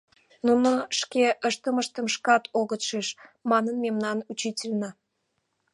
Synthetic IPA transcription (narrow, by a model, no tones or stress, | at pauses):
nunoʃkeʔəʃt̪əməʃt̪əmʃkɑt̪ʰoɣət̪ʃeʃmɑnənmemnɑnut͡ɕitʲelʲnə